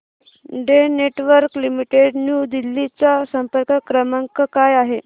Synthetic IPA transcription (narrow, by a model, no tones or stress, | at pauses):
ɖeneʈʋəɾklimiʈeɖnjud̪ilːit͡sasəmpəɾkəkɾəmaŋkəkajaɦe